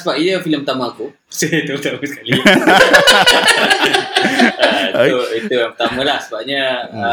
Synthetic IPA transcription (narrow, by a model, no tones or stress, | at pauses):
səbaʔ̚iəfiləmpət̪amãːku | seit̪upət̪amasə̥kaliaaas | əit̪uit̪ujaŋpət̪amãlahsəbap̚ɲəə